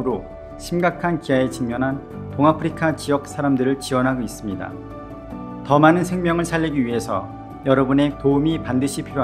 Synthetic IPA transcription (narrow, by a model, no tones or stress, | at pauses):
ɾo | ɕʰimɡakʰankiaet͡ɕiŋɲʌnɦan | poŋapʰɯɾikʰat͡ɕijʌk̚s͈aɾamdɯɾɯɭt͡ɕiwʌnɦaɡois͈ɯmɲida̰ | tʌmanɯnsʰe̞ŋmjʌŋɯɭsʰaʎːiɡiɥiɦe̞sʰʌ | jʌɾʌbune̞koumipandɯɕʰipʰiɾoa